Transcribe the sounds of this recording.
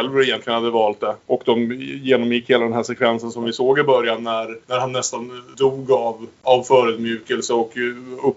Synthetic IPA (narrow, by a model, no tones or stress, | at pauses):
ɛlvɾɪjɛnt̪lɪɡənhad̪ːəvɑːlt̪̚d̪ɛʔɔkd̪ɔmjeːnɔmjɪkːheːlad̪ɛnɦæʂɛkʰvɛnsənsɔmvɪsoːɡɪbœɾjanːæɾnæɾhanːɛst̪and̪uːɡavavfœːɾʉd̪mjʉ̟ːkɛlsəɔkɵ